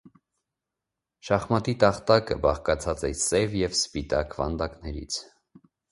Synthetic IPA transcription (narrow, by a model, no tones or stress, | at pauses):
ʃɑχmɑt̪it̪ɑχt̪ɑkə̰bɑχkɑt͡sʰɑt͡sɛ̰sɛvjɛvspit̪ɑkʰvɑ̰nd̪ɑknɛɾḭt͡sʰ